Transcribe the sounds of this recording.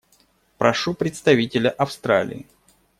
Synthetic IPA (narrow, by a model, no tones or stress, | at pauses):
pɾɐʂupɾʲɪt̪st̪ɐvʲitʲɪlʲəʔɐfst̪ɾa̰lʲɪ̰ɪ